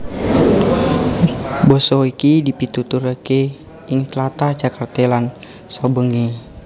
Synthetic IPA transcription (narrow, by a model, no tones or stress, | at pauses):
bɔsɔikidipit̪ut̪uɾəke | iŋt̪lat̪ad͡ʒakart̪elan | sabəŋi